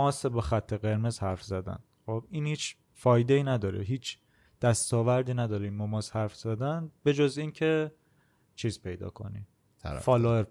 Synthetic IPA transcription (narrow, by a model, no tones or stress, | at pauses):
ɒːsebɒxæt̪ʰːeɣe̞ɾmezhæɾfzæd̪æ̰n | xob̚iːnhiːt͡ʃʰ | fɒːjd̪e̞iːnæd̪ɒːɾḛɦiːt͡ʃʰ | d̪̥æst̪ɒːvæɾd̪iːnæd̪ɒːɾimmɒmɒːshæɾfz̥æd̪ænbe̞d͡ʒoziːncʰe̞ | t͡ʃʰiːzpʰe̞jd̪ɒ̰ːkʰo̞̰nḭ | fɒːloeɾ